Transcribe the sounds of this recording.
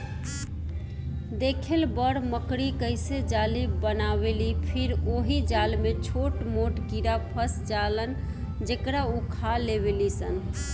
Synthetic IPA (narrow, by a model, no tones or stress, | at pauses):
d̪ekʰelbəɽməkɾikəɪsed͡ʒalibənaβelipʰiɾoɦid͡ʒalmet͡ʃʰoʈmoʈkiɾapʰəsd͡ʒalən | d͡ʒekɾaukʰalebelisən